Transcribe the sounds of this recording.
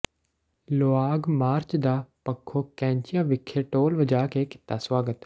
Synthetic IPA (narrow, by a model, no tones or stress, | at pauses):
loːaːɡmaːɾt͡ʃd̪aːpɐkʰːokɛ̃ːɲt͡ʃijaʋɪkʰːeʈoːlʋəd͡ʒaːkekɪ̥t̪ːasʋaːɡət̪